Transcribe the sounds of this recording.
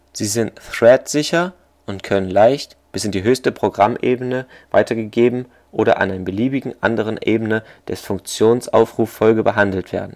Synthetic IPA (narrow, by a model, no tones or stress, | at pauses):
z̥iːzɪntθʁ̥ɛtz̥ɪçɐ | ʔʊntkʰœnənlaɪçt | b̥ɪsɪndiːɦøːçstəpʁ̥oɡʁamʔeːbənə | va̰ɪtʰɐɡəɡeːbm̩ | ʔoːɾɐ̰ʔa̰ndanəbəliːbɪɡŋ̩ʔa̰ndəʁ̞ənʔeːbənəd̥ɛsfʊŋk̚t͡sjoːnsʔa̰ʊfʁ̥uːfɔlɡəbəɦandl̩tv̥ḛːɐdn̩